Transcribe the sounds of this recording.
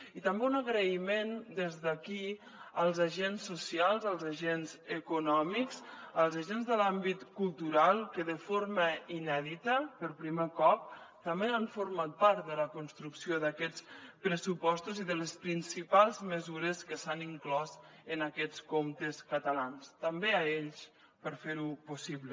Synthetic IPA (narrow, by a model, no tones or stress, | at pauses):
it̪əmbeunəɣɾəimend̪ezðəki | əlˠzaʒensːusialˠzəlˠzaʒenzəkunɔmikzəlˠzaʒenzðəlambit̪kulˠt̪uɾalˠkəðəfoɾməinɛðit̪əpəɾpɾimekɔp̚t̪əmbeaɱfuɾmat̪̚paɾt̪ðələkunst̪ɾuksioðəkɛt͡spɾəsupɔst̪uziðələspɾinsipalˠzməzuɾəskəsaniŋklɔzənəkɛt͡skomt̪əskət̪əlanst̪əmbeaeʎs | pəɾfeɾupusiβlə